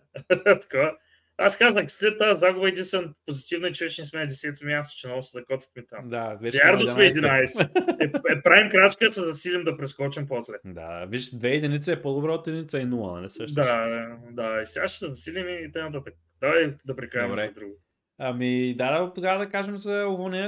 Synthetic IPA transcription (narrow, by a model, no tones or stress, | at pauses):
t̪ɐ̥kavə | askazvəxslɛt̪ːazaɡʊbəɛd̪inst̪vɛnpozit̪ivnɐit͡ʃuvɛt͡ʃnismɛnɛd̪ɛsɛt̪omʲjast̪ʊ̥t͡ʃɛnɔsɛzɐkɔt̪i̥t̪mit̪amd̪aviaɾʊmɛid̪inajsɛɛɛpɾavimkɾat͡ʃkəsɐzɐsilimd̪ɐpɾɛskɔt͡ʃɛmpɔslɛd̪a̰viʃd̪vɛid̪init̪sɛɛpɔd̪obɾaot̪id̪init̪sɛɛnumɐ̰nɐ̰nɛsəʃt̪d̪ad̪aisɛaʃʃɛ̥sɛzɐsilimiːt̪ɛknɐt̪at̪ək̚ | d̪aɛd̪ɐpɾikɾaɾbɾsɛɛd̪ɾuɡʊ | ɐmid̪adt̪ʊɡavɐd̪ɐkaʒɛmzɐʊvonɛ